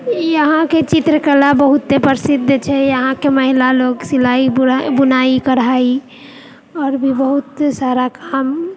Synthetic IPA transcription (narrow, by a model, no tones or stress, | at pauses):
iəɦãket͡ʃit̪ɾəkəlabəɦut̪ːepəɾsid̪ʱːt͡ʃʰɛjəɦãkeməɦilaloɡsilaibunaikəɾɦai | ɔːɾbʱibəɦut̪saɾakam